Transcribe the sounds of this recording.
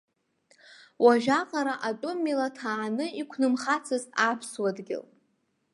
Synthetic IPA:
waʒᶣaqʼaɾaʔatʼʊmːilatʰaːnɨikʷʰnɨmχat͡sʰɨzapʰswadɡʲɪ̰l

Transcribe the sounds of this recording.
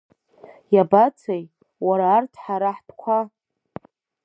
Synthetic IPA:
jabat͡sʰej | waɾaːrtʰħaɾaħd̥kʷʰa

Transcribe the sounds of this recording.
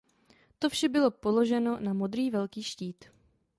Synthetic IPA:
t̪o̞fʃɛbɪlo̞po̞lo̞ʒɛno̞namo̞d̪ɾiːvɛlkiːʃciːt̪

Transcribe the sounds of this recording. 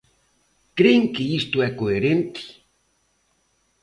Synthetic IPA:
kɾeŋkeist̪oɛkoeɾẽnt̪i̥

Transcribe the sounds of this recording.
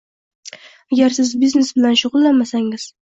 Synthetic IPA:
aɡʲaɾsɪzbiznesbɪlanʃʊʁʊlˠːanmasaŋɪz̥

